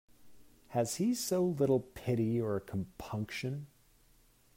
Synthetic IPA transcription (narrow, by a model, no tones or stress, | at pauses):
hɨz̥isoʊlɪɾl̩ˠpʰɪɾiə˞kʰm̩pʰʌ̃ŋkʃɨ̃n